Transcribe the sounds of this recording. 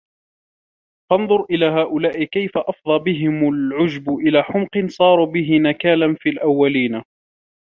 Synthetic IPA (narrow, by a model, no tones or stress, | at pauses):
fɑnðˤʊɾʔɪlaːɦaːʔʊlaːʔɪkajfaʔɑfd̪ˤɑːbɪɦɪmʊlʕʊd͡ʒbʔɪlaːħʊmqɨnsˤɑːɾˤuːbɪɦɪnakaːlanfiːlʔawːaliːn